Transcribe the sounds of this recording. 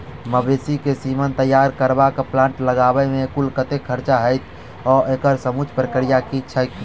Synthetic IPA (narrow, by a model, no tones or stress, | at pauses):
məbesikesimənt̪əjːaɾkəɾbakplãːɳʈləɡabɛmekulkət̪ekʰəɾt͡ʃaɦəjt̪ʰ | ɔʔekəɾsəmut͡ʃʰpɾəkɾijakit͡ʃʰəjt̪̚ʰ